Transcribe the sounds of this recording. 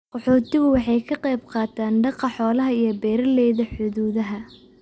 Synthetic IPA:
qɔħɔːt̪ʰɪɣʊwɑħɑjkʰɐqɛjbqɑːt̪ʰaːnɖɑqɑħɔːlɐɦɐijɞbɛːɾɐlɛjðɐħʊðuːðɐɦɐ

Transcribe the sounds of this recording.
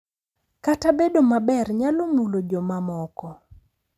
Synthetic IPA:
katabedomabɛrɲalomulod͡ʒɔmamɔkɔ

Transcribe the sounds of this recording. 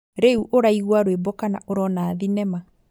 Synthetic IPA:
ɾeuʔoɾaiɣwaɾwebɔkanaʔoɾɔnaːðinɛma

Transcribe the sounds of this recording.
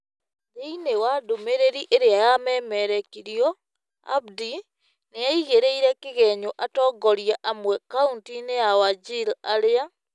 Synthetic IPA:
ɾeinewadomeɾeɾiʔeɾeajamɛːmɛɾɛkiɾjɔ | a̰bdi | neaiɣeɾeiɾɛkɪɣɛɲoʔatɔːɡɔɾjaʔamwɛkauntinejawad͡ʒilaɾea

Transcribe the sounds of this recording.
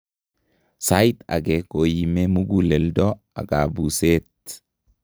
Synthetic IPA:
sajt̪ɐ̰ɡeːkoːjɪmemʊɡulɛld̪ɔ | ɐ̰ɡaːbuːseːt̪

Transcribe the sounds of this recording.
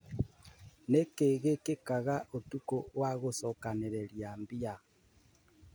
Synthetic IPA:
nekeɣekekaɣaʔotukowaɣosɔkaneɾeɾjambia

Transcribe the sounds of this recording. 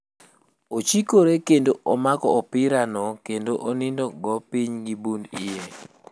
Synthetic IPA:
ot͡ʃikoɾekendoʔɔmakɔɔpɪɾanɔkendoʔonindɔɡɔpiɲɡibundije

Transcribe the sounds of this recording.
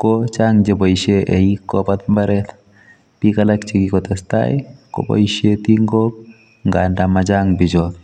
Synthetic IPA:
kɔt͡ʃaŋd͡ʒebɔiʃeʔɛikːɔpat̪mbaɾɛt̪ | pikalakt͡ʃikikɔt̪ɛsta̰jko̰bɔ̰jʃet̪iŋɡok̚ | ŋɡandamad͡ʒaŋbɪd͡ʒɔt̪

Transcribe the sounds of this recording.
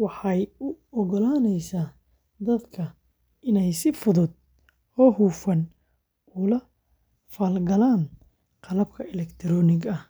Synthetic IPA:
wɑħɑjʊɔɣɔlaːnɛjsaː | d̪ɐd̪kʰɐ | ɪnɛjsɪfʊðʊd̪̚ | hɔːɦuːfɐn | ʊlɐ | faːlɡɐlaːn | qɑlɐb̚kʰɐɛlɛkt̪ʰɾɔːnɪɡɐh

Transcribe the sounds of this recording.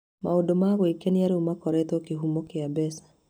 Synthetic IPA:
ma̰odomaɣwikeniaɾeumakɔɾɛt̪okeɦumokeabɛsḁ

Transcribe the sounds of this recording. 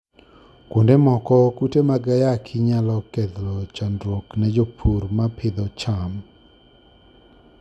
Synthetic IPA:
kondemɔkɔkutemaɡajakʰɪɲalɔkɛd̪lɔt͡ʃandɾoknɛd͡ʒopʰuɾmapʰɪd̪ɔt͡ʃam

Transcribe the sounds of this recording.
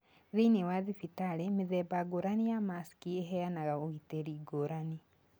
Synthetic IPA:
ðeinewaðifitaɾemeðɛbaɡoɾanijamaskieɦɛjanaɣaoɣiteɾiɡoɾani

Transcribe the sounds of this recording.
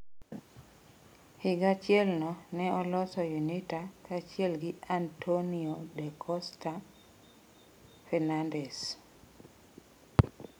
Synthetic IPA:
hɪɡat͡ʃjelnɔnɛɔlɔsɔjunitakat͡ʃjelɡɪantʰoniodɛkʰɔsta | fɛnandɛs

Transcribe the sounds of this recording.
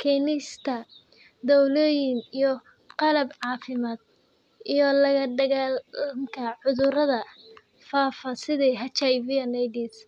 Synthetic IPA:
kʰɛːnɪst̪ʰɐ | d̪ɔwlɔːjɪŋijɔ | qɑlɐbʕɑːfɪmaːd̪̥̚ | ijɔlɐɣɐɖɐɣaːlmkʰɐʕʊðʊɾɐðɐ | faːfasɪðɛɦɐt͡ʃɐjvɪɐnɐjdis

